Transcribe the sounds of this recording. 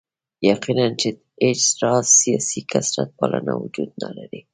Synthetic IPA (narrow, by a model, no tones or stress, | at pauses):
jaqinant͡ʃe | et͡ʃɾɑzːijɑsikʰasɾat̪̚pɑlanawʊd͡ʒud̪̚nalaɾi